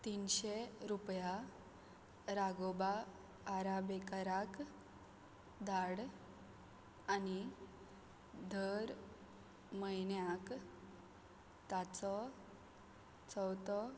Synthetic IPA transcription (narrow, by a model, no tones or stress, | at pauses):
t̪inɕeɾupja | ɾaɡobaː | ɾabekəɾak | d̪ʱaɽ | ani | d̪ʱəɾ | məjnjak | t̪at͡sɔ | t͡sɔwt̪ɔ